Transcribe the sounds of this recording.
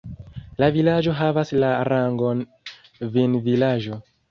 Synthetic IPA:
lavilad͡ʒo̞ɦavaslaɾaŋɡon | vinvilaʒo

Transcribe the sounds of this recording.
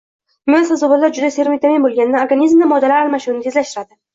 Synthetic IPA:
mijasazobalːaɾd͡ʒʊd̪aseɾmijt̪amimbolˠɡʲanɪnaoɾɡanizmnamɒd̪alaɾɾmaʃɪnɪnɪt̪ʰezlaʃt̪ɪɾad̪ɪ

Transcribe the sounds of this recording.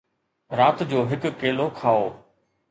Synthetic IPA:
ɾaːt̪d͡ʑoːɦɪkkeːlokʰaːoː

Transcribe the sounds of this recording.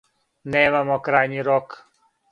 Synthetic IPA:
neːmamokɾaːjniɾok

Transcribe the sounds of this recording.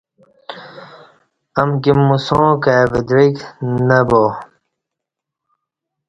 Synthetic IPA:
ɐmɡimːusõːkavid̪ɾiknɐbo

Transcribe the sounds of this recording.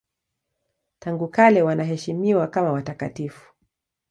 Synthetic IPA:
taŋɡukalɛwanaɦɛʃimiwakamawatakatifu̥

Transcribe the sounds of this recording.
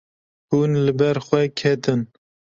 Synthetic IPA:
hunlɨbɛɾxʷɛkʰɛt̪ʰɨn

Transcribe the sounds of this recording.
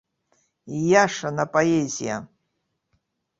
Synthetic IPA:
ijaʂanapʼoezija̰

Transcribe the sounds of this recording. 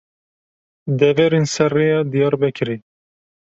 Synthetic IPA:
d̪ɛvɛɾensɛrejɑːd̪ijɑːɾbɛkʰɨɾi

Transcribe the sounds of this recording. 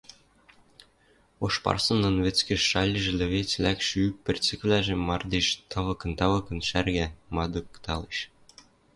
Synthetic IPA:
oʃpɑ̰rsɤ̆nːɤ̆nβĕt͡skɘ̆ʃʃɑlʲiʒĕlʲɘ̆βet͡slʲækʃypʲɘ̆rt͡sɘ̆kvlʲæʒĕmːɑrd̪eʃt̪ɑβɤ̆kɤ̆nt̪ɑβɤ̆kɤ̆nʃærɡæmɑd̪ɤ̆kt̪ʰɑleʃ

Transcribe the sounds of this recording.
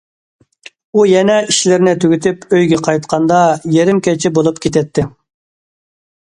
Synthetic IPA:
ujɛnɛiʃlɪɾnɪt̪ʰyɡʲyt̪ʰypøjɡʲɛqʰɑjt̪qʰɑnd̪ɑjeɾɪmkʲɛt͡ʃʰɪbolˠup̚kʲʰet̪ʰɛt̪ʰːɪ

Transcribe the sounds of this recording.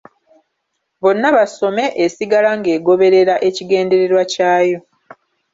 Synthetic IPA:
βo̞nːaβaso̞me̞ʔːsiɡalaŋɡe̞ːɡo̞βe̞ɾe̞ɾaʔe̞ciɡe̞ːnde̞ɾe̞ɾwacaːjo̞

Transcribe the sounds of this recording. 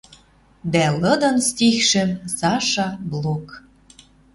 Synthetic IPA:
d̪ælɤ̆d̪ɤ̆nst̪ixʃɘ̆msɑʃɑblˠok

